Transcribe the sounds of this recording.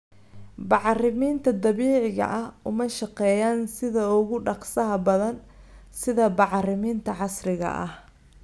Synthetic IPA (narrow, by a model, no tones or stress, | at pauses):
bɑʕrɪmiːnt̪ʰɐd̪ɐβiːʕɪɣɐ̰ʔɐhʊmɐʃɑqɛːjaːnsɪðɐʊɣʊɖɑqsɐɦɐbɐðɐn | sɪðɐbɑʕrɪmiːnt̪ʰɐʕɑsɾɪɣɐ̰ʔɐ̰h